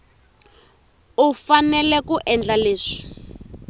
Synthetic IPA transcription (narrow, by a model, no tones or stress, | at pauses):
ufanɛlɛkuʔɛnd͡ɮaleːʂi̥